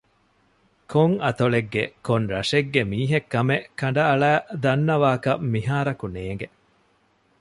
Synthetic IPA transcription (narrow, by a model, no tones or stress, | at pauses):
koŋɐt̪oɭeɡːekonɾɐʂeɡːemiːɦekːɐmeʔkːɐɳ̆ɖɐɐɭæːd̪ɐnːɐʋaːkɐmmiɦaːɾɐkuneːŋ̆ɡe